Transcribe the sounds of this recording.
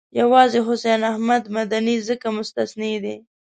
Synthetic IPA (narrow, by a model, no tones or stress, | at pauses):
jawɑzeɦʊsenahmad̪mad̪anizəkamʊst̪asned̪e